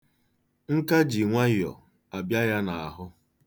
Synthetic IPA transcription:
ŋ̩˦ka˦d͡ʒi˨ŋʷa˦jjɔ̰˨ | a˨bja˦ja˦na˨a˨ɦʊ˦

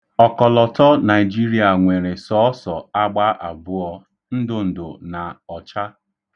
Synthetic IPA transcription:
ɔ˨kɔ˨lɔ˨tʰɔ˦na˨ɪ˨d͡ʒi˦ɾi˦a˨ŋʷe˨ɾe˨sɔ˦ɔ˦sɔ˨a˦ɡ͡ba˦ʔa˨bʊ˦ɔ˦ | n̩˦dʊ˦n̩˨dʊ̰˨na˨ɔ˨t͡ʃa˦

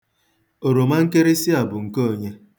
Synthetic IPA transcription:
o˨ɾo˨ma˦ŋ̩˦ke˦ɾi˦si˦a˨bʊ˨ŋ̩˨ko˦˨ɲe˦

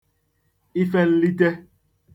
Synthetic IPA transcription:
i˦fɛ˦n̩˦li˦tɛ˦

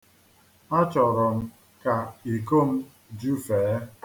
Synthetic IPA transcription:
nɔ˦t͡ʃɔ˨ɾɔ˨m̩˦ | ka˨i˨ko˦˨m̩˦ | d͡ʒu˦feː˨˦

